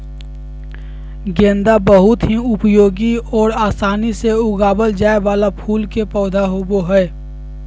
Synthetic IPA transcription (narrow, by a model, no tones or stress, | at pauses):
ɡẽːnd̪abəɦʊt̪ɦiʊpjoːɡiɔːɾaːsaːniseʊɡaːbəld͡ʒaːebaːlapʰuːlkepɔːd̪ʱaɦoːboɦɛː